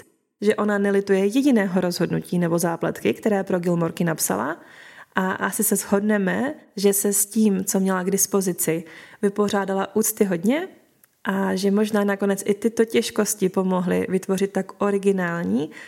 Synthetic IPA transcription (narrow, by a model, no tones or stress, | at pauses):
ʒɛʔo̞nanɛlɪt̪ujɛjɛɟɪnɛːɦo̞ɾo̞zɦo̞dnuciːnɛbo̞zaːpla̰t̪kɪkt̪ɛɾɛːpɾo̞ɡɪlmo̞ɾkɪnapsa̰la̰ʔaʔasɪsɛzɦo̞dnɛmɛʒɛsɛsciːmt͡so̞mɲɛlaɡdɪspo̞zɪt͡sɪvɪpo̞r̝aːdalaʔuːt͡st̪ɪɦo̞dɲɛ | ʔaʒɛmo̞ʒnaːnako̞nɛt͡sʔɪt̪ɪt̪ocɛʃko̞scɪpo̞mo̞ɦlɪ̰vɪt̪vo̞rɪt̪ːakʔo̞ɾɪɡɪnaːlɲiː